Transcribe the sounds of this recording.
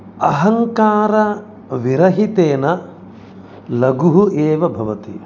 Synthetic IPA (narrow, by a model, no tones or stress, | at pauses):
ɐɦɐŋkaːɾɐ | ʋiɾɐɦit̪eːnɐ | lɐɡuɦuʔeːʋɐbʱɐʋɐt̪i